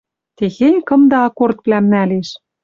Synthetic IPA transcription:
t̪exenʲkɤ̆md̪ɑɑkort̪βlæmnæleʃ

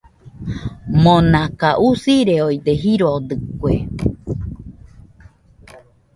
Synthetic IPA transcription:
monakaʔusiɾeoid̪eɦiɾod̪ɨkʷue

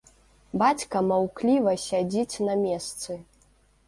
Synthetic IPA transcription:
bat͡sʲkɐmawklʲivɐsʲad͡zʲit͡sʲnɐmʲɛst̪sɨ

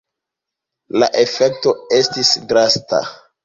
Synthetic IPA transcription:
la̰ʔe̞fe̞k̚to̞e̞stisɡɾasta̰

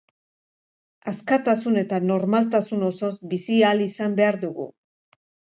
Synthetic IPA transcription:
askat̪asune̞t̪ano̞ɾmalt̪asuno̞so̞zbisialisambe̞aɾðuɣṵ

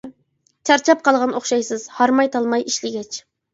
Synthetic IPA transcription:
t͡ʃʰɑɾt͡ʃʰɑp̚qʰɑlˠʁɑnoχʃɑjsɨz̥hɑɾmɑjt̪ʰɑlˠmɑjʔiʃlɪɡʲɛt͡ʃ

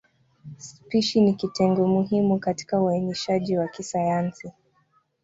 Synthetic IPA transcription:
spiʃinikitɛŋɡɔmuɦimukati̥kauaniʃaʄiwakisajansi

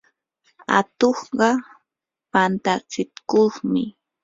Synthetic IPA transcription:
a̰t̪oχɢɑ | pant̪at͡sɪt̪koχmɪ

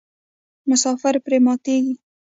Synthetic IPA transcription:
mʊsɑfɪɾpɾemɑt̪eɡi

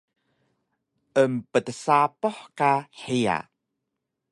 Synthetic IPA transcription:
ʔəmpətəsapɔħkaħia̰

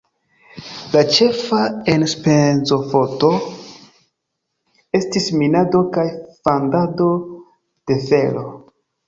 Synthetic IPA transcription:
lat͡ʃe̞faenspenzo̞foto̞ | e̞stisminado̞kajfandado̞ | d̥e̞fe̞lo̞

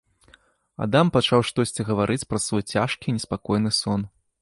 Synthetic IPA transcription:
a̰d̪ampat͡ʂawʂt̪ɔsʲt͡sʲiɣɐvaɾʔɨt͡sʲpɾɐsvɔjt͡sʲaʂkʲinʲɛspakɔjnɨsɔn

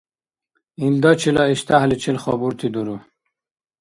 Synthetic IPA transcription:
ind̪ɔt͡ɕʰilɔiɕt̪ahlit͡ɕʰilχɔbuɾt̪ʰid̪uɾu

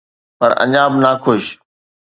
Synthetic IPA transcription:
pɐɾɐ̰̃ɲaːbnaːkʰʊʃ

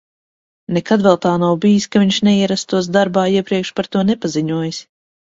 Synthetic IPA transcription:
nɛkad̪vɛlˠt̪aːnawbijisʲkaviɲʃnɛiɛɾast̪uɔsd̪aɾbaːiɛpɾiɛkʃpaɾt̪uɔnɛpaziɲuɔjɪs

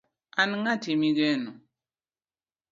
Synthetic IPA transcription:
anŋatimiɡɛnu

